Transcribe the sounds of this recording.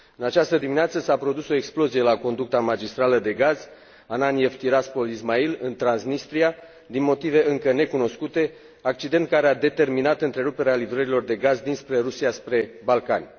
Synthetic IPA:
ɨnat͡ʃast̪əd̪imineat̪səsapɾo̞d̪uso̞eksplo̞zije̞lako̞nd̪uk̚t̪amad͡ʒist̪ɾaləd̪e̞ɡaz̥ | ananijevt̪iɾaspo̞lizmailɨnt̪ɾansnist̪ɾia | d̪inmo̞t̪ive̞ʔɨŋkəne̞kuno̞skut̪e̞ | ak̚t͡ʃid̪e̞nt̪̚kaɾead̪e̞t̪e̞rminat̪ɨnt̪ɾe̞ɾupe̞ɾealivɾəɾilo̞rd̪e̞ɡazd̪inspɾe̞ɾusiaspɾe̞balkanʲ

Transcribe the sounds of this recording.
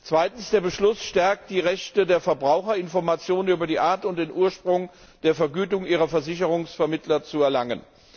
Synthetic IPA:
t͡sv̥aɪtn̩sd̥eːɐbəʃlʊsʃtɛɐk̚td̥iːʁɛçtədeːɐfɛɐbʁaʊxɐɪnfɔɐmat͡sjoːnənyːbɐdiːʔaːɐtʊnt̚d̥eːnʔuːɐʃpʁ̥ʊŋ | d̥eːɐfɛɐɡyːtʊŋʔiːʁɐfɛɐzɪç̬əʁʊŋsfɛɐmɪtlɐt͡suɛɐlaŋə̰n

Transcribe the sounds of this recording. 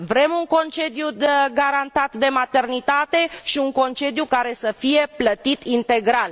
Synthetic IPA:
vɾe̞muŋko̞nt͡ʃe̞d̪juɡaɾant̪at̪d̪e̞mat̪e̞rnit̪at̪e̞ʃiuŋko̞nt͡ʃe̞d̪jukaɾe̞səfije̞plət̪it̪int̪e̞ɡɾal

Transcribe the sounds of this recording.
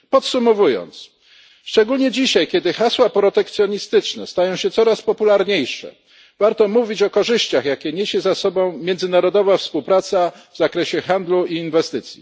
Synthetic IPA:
pɔt̪sumɔvujɔ̰nt̪s | ʂt͡ʂɛɡulɲɛd͡ʑiɕajkʲɛd̪ɘxaswapɾɔt̪ɛkt̪sʲjɔɲist̪ɘt͡ʂnɛ̰st̪ajɔ̃w̃ɕɛt̪sɔɾaspɔpulaɾɲejʂɛ̰ | vaɾt̪ɔmuvʲit͡ɕɔkɔʐɘɕt͡ɕaxjakʲɛɲeɕɛzasɔbɔ̃w̃mʲjɛnd̪zɘnaɾɔd̪ɔvafspuwpɾat̪sa | vzakɾɛɕɛxand̪luiːnvɛst̪ɘt̪sʲjḭ

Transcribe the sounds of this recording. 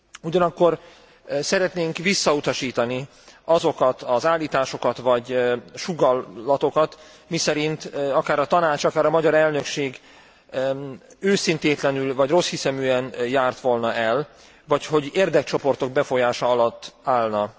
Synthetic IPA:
uɟɒnɒkːo̞r | sɛɾɛt̪neːŋkʋisːɒut̪ɒʃiːt̪ɒni | ɒzo̞kɒt̪ɒzaːlːiːt̪aːʃo̞kɒt̪ʋɒɟʃuɡɒlːɒt̪o̞kɒt̪ | misɛɾint̪ɒkaːɾɒt̪ɒnaːt͡ʃɒkaːɾɒmɒɟɒɾɛlnø̞kʃeːɡ | øːsint̪eːt̪lɛnylvɒɟro̞shisɛmyːɛnjaːrt̪ʋo̞lnɒʔɛl | vɒcho̞ɟeːrd̪ɛk̚t͡ʃo̞po̞rt̪o̞ɡ̚bɛfo̞jaːʃɒɒlɒt̪ːaːlnɒ

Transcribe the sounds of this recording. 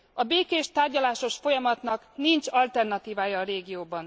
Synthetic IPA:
ɒbeːkeːʃt̪aːrɟɒlaːʃo̞ʃfo̞jɒmɒt̪nɒknint͡ʃɒlt̪ɛrnɒt̪iːvaːjɒːɾeːɡijoːbɒn

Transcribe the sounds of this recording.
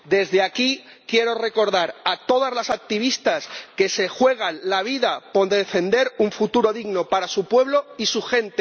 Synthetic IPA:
d̪e̞zðeaki | kje̞ɾo̞re̞ko̞ɾðaɾat̪o̞ðazlasak̚t̪iβ̞ist̪aske̞se̞xwe̞ɣ̞anlaβ̞iðapo̞d̪eðefe̞nd̪e̞ɾuɱfut̪uɾo̞ðiɣno̞paɾasupwe̞β̞lo̞isuxẽ̞nt̪e

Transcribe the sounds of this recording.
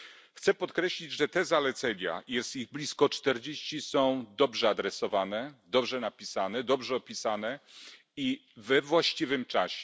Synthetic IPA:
xt̪sɛpɔt̪kɾɛɕlʲid͡ʑʐɛt̪ɛzalɛt̪sɛɲa̰jɛst̪iɣblʲiskɔt͡ʂt̪ɛɾd͡ʑeɕt͡ɕisɔ̃w̃d̪ɔbʐɛad̪ɾɛsɔvanɛd̪ɔbʐɛnapʲisanɛd̪ɔbʐɛɔpʲisanɛ | ivɛvwaɕt͡ɕivɘmt͡ʂaɕɛ̥

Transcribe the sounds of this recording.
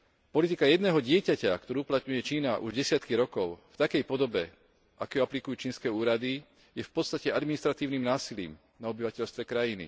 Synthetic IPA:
pɔlit̪ikajɛd̪nɛːɦɔɟɪɛcacakt̪ɔɾuːuplat̪ɲujɛt͡ʃiːnaʔṵʒɟɛsɪat̪kiɾɔkɔʊft̪akɛjpɔd̪ɔbɛ | ʔa̰kɛːjɔaplikujuːt͡ʃiːnskɛːuːɾad̪i | jɛfpɔt̪st̪acɛad̪minist̪ɾat̪iːʊniːmnaːsilḭːm | naɔbiʋacɛʎst̪ʋɛkɾajinḭ

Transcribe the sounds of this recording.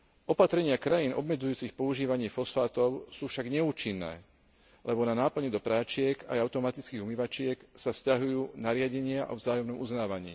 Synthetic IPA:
ʔɔpat̪ɾɛɲɪakɾajiːnʔɔ̰bmɛd͡zujuːt͡sixpɔuʒiːʋaɲɪɛfɔsfaːt̪ɔʊsuːfʃaɡɲɛuːt͡ʃinːɛ̰ː | lɛbɔnanaːpl̩ɲɛd̪ɔpɾaːt͡ʃɪɛkajaʊt̪ɔmat̪it͡skiːɦumiʋat͡ʃɪɛksafscaɦujuːnaɾɪaɟɛɲɪaʔɔ̰vzaːjɔmnɔmuznaːʋaɲḭː

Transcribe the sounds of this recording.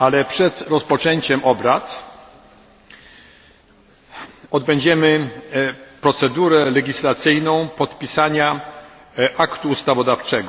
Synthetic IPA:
alɛpʂɛt̪ɾɔspɔt͡ʂɛɲt͡ɕɛmʔɔbɾat̪ | ɔd̪̚bɛɲd͡ʑɛmɘ | pɾɔt̪sɛd̪uɾɛlɛɡʲislat̪sɘjnɔ̃w̃pɔt̪pʲisaɲa | ʔakt̪uːst̪avɔd̪aft͡ʂɛɡɔ

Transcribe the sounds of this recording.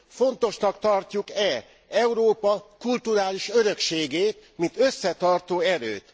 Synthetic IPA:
fo̞nt̪o̞ʃnɒkt̪ɒrcukɛ | ɛuɾoːpɒkult̪uɾaːliʃøɾø̞kʃeːɡeːt̪mint̪ø̞sːɛt̪ɒrt̪oːɛɾø̰ːt̪

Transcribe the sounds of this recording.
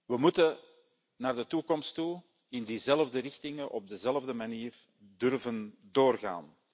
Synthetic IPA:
ʋəmutə | naːrdətukɔmstu | ɪndiːzɛlvdəɾɪxtɪŋəʔɔb̚dəzɛlvdəmaniːr | dʏrvəndoːrɣa̰ːn

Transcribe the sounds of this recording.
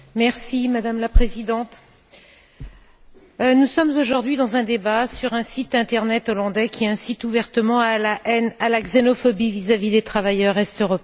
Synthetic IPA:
mɛʁsimad̪amlapχezid̪ɑ̃t̪ | nusɔmzoʒuʁd̪ɥid̪ɑ̃zɛ̃d̪ebasyʁɛ̃sit̪ɛ̃t̪ɛʁnɛt̪ɔlɑ̃d̪ɛkʲʰiɛ̃sit̪uvɛʁt̪əmɑ̃alaʔɛnalaɡzenɔfɔbivizavid̪et̪χavajœʁɛst̪øʁɔp

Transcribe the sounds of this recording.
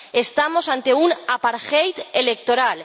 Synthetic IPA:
est̪amosant̪eunapaɾxejt̪elek̚t̪oɾal

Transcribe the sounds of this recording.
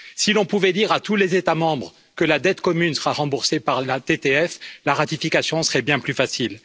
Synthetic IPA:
silɔ̃puvɛd̪iʁat̪ulezet̪amɑ̃bʁ | kəlad̪ɛt̪kɔmynsəʁaʁɑ̃buʁsepaʁlat̪et̪eɛflaʁat̪ifikasjɔ̃səʁɛbjɛ̃plyfasil

